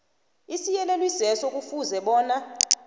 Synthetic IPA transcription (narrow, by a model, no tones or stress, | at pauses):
isijɛlɛlwisɛsɔk̬ʼufuzɛɓɔːna